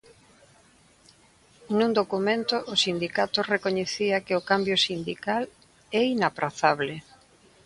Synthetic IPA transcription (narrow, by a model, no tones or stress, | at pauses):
nũnd̪okumẽnt̪ʊʔːsind̪ikat̪ʊrekoɲeθiɐkɪʊkambjosind̪ikal | ɛinapɾaθaβlɪ